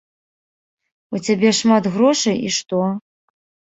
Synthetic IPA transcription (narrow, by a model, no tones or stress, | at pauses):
ut͡sʲabʲɛʂmat̪ɣɾɔʂɐjḭʂt̪ɔ